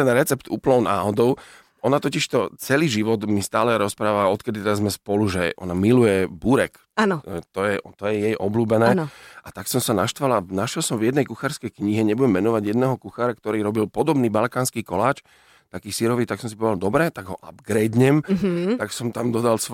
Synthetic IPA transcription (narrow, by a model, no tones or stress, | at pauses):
t̪ɛnɾɛt͡sɛpt̪ṵːplnɔʊna̰ːɦɔd̪ɔʊ | ʔɔnat̪ɔciʃt̪ɔt͡sɛliːʒiʋɔd̪mist̪aːlɛɾɔspɾaːʋaɔt̪kɛd̪it̪ɛd̪azmɛspɔluʒɛ̰ʔɔ̰namilujɛbuɾɛk | anɔt̪ɔjɛt̪ɔjɛjɛjʔɔbluːbɛnɛːnʔat̪aksɔmsanaʃt̪ʋalanaʃjɛlsɔmvjɛd̪nɛjkuxaːɾskɛjkɲiɦɛɲɛbuɟɛmːɛnɔʋaɟjɛd̪nɛːɦɔkuxaːɾakt̪ɔɾiːɾɔbilpɔd̪ɔbniːbalkaːnskiːkɔlaːt͡ʃ | t̪akiːsiɾɔʋiːt̪aksɔmsipɔʋɛd̪ald̪ɔbɾɛt̪aɡɦɔʔa̰bɡɾɛd̪ɲɛmt̪aksɔmt̪amd̪ɔd̪als